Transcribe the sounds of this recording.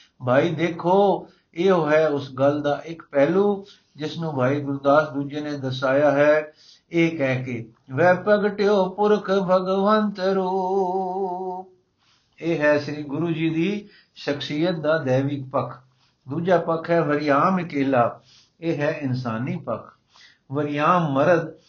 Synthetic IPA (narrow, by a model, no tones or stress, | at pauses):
bʱaːiːd̪eːkʰoː | eːoːɦɛːʊsɡəld̪aːʔɪkpɛːluː | d͡ʒɪsnũːbʱaːiːɡʊɾd̪aːsd̪uːd͡ʒeːneːd̪əsaːjaːɦɛː | eːkɛːkeː | ʋɛːpəɡʈeoːpʊɾkʰbʱəɡʋənt̪ɾuː | eːɦɛːsɾiːɡʊɾuːd͡ʒiːd̪iː | ʃəksɪjət̪̚d̪aːd̪ɛːʋik̚pəkʰ | d̪uːd͡ʒaːpəkʰɦɛːʋəɾɪjaːmɪkeːlaː | eːɦɛːɪnsaːniːpəkʰ | ʋəɾɪjaːmːəɾəd̪